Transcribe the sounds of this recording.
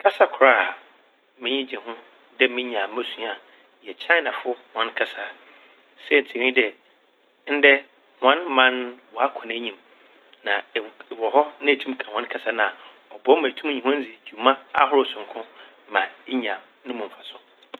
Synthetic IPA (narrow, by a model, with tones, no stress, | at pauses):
kʰa˦sa˨kʰʊ˨ɾa˦˨ | mɪ̃˦ɲĩ˦d͡ʑɪ̃˨ɦʊ̃˦ | dɛ˦mɪ̃˦ɲã˨mæ˦sũ˦a˨ | jɛ˨t͡ɕʰa˦nã˨fʊ˦hã˦n˦kʰa˨sa˨ | sɛ˦˨n̩˨tʰi˨nĩ˦dɛ˨ | n̩˦dɛ˦ | hã˦nmã˦nwɔ˨a˦kʰɔ̃˨nɛ̃˦ɲĩ˨m | nã˨wɔ˨ɦɔ˦nã˦˨tʰũ˦m˦kʰã˨hã˦kʰa˨sa˦nã˨ | ɔ˨bɔ˦mæ̃˨tʰũ˦ɲĩ˨ɦʊ̃˦n̩˦d͡zi˨d͡ʑᶣu˨mã˦a̰˦hʊ˦ɾʊ˦˨sʊ̃˨ŋ˨kʰʊ̃˦ | mã˨˦ɲ˦ã˨ | nɪ̃˦mʊ̃˨m˨fa˨sʊ˦